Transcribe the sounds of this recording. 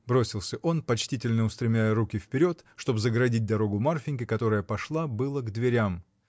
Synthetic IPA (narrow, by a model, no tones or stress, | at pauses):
bɾo̞sʲɪlˠsʲəʔo̞npɐt͡ɕtʲitʲɪlʲnəʊst̪ɾʲɪmʲæjəɾukʲɪfpʲɪɾʲo̞t̪ʂt̪o̞bzəɡɾɐdʲit̚ʲd̪ɐɾo̞ɡʊmarfʲɪnʲkʲɪkɐt̪o̞ɾəjəpɐʂlˠabɨlˠəɡd̪vʲɪɾʲam